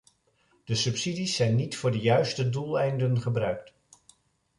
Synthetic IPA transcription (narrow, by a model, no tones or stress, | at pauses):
d̥əsɵpsidisːɛjnːitfʊːɹdəjœɥstədulˠɛjndənχəbrœɥk̚t